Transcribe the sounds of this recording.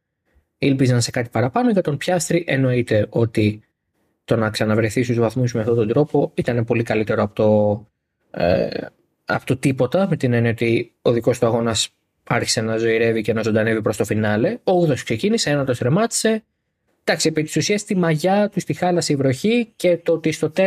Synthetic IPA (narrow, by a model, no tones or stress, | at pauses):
ilpizɐnse̞kɐt̪i̥pɐɾɐpɐno̞ʝɐt̪o̞npçɐst̪ɾiʔe̞no̞it̪e̞ʔo̞t̪i | t̪o̞nɐksɐnɐvɾe̞θist̪uzvɐθmusmeɐft̪o̞t̪o̞d̪ɾo̞po̞it̪ɐne̞po̞likɐlit̪e̞ɾoɐpot̪o | ɐ̰pot̪ot̪ipo̞t̪ɐmet̪inenio̞t̪io̞ðiko̞st̪uɐɣo̞nɐs | ɐɾçi̥se̞nɐzo̞iɾe̞vice̞nɐzod̪ɐnevipɾo̞st̪o̞finɐle̞ouðoskse̞ciniseenɐt̪ost̪ɾe̞mɐt̪i̥se̞ | d̪ɐksiepit̪i̥susiɐst̪imɐʝɐt̪ust̪ixɐlɐsivɾo̞çice̞t̪o̞t̪ist̪o̞t̪e